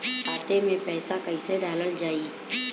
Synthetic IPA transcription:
kʰaːt̪emẽpɛːsakəiseɖaːləld͡ʒaːiː

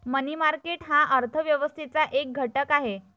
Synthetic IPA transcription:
mənimaɾkeʈɦaʔəɾt̪ʰəʋjəʋəst̪ʰit͡saʔek̚ɡʱəʈəkaɦe

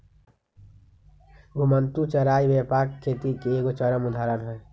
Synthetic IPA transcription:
ɡʱumənt̪ut͡ʃəɾaibepakkʰːet̪ikeeɡot͡ʃəɾəmud̪ʱaɾənɦəe

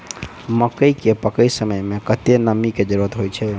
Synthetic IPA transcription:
məkəjkepəkəjsəməjmekət̪enəmiked͡ʒəɾuɾət̪ɦojt͡ʃʰɛ

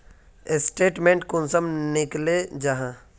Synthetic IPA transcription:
ɪsʈeːʈmẽːɳʈkʊnsəmnɪkled͡ʒaɦã

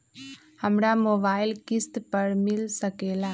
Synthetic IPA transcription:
həmɾamoːbaːɪlkɪst̪pəɾmɪlsəkela

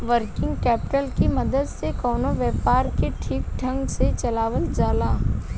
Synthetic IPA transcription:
ʋəɾkɪ̃ŋɡkɛːpɪʈəlkimɐd̪əd̪sekɔːnoʋjɛːpaːɾkeʈʰiːkʈʰɐ̃ŋɡset͡ʃɐlaːʋəld͡ʒaːlaː

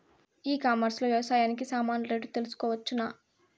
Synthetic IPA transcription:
iːkaːmɐɾslɐʋjɐʋɐsaːjaːnik̬isaːmaːnɐɾeɖut̪e̞lusu̥kɔːʋɐt͡ʃːunaː

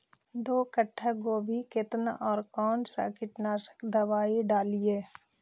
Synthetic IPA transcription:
d̪oːkəʈʰːaɡoːbʱikɪt̪nɔːɾkɔːnsa̰kɪʈnaːsə̥kd̪əʋaːiɖaːlieː

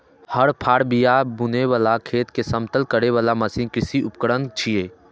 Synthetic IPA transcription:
həɽpʰaːɽbijabʊnewaːlakʰeːt̪kesəmt̪əlkəɾeʋaːlaməsĩnkɾɪsiʊpkəɽənt͡ʃʰieː

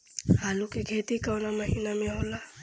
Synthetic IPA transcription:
ɦaːlukiɡʱeːt̪ikəwnamɐɦiːnamẽɦoːla

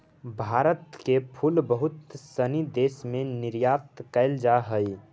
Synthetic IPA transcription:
bʱaːɾət̪kepʰulbəɦʊt̪sənid̪eːsmẽnɪɾjat̪kəɪld͡ʒaɦəi

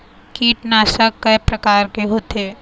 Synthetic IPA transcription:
kiːʈnaːsəkːɐjpɾɐkaːɾkeɦoːt̪eː

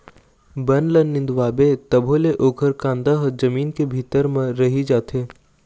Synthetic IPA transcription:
bɐnlənːɪ̃nd̪waːbet̪ɐbʱoːleʔoːkʰəɾkãːnd̪əɦd͡ʒɐmiːnkebʱiːt̪əɾmẽɾɐɦid͡ʒaːt̪ɦeː

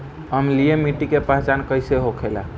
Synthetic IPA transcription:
əmlijemiʈːikepaɦt͡ʃankəjseɦokʰela̰

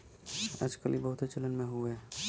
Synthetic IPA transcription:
ə̰d͡ʒkə̰libəɦʊt̪ɦet͡ʃələnmẽɦue

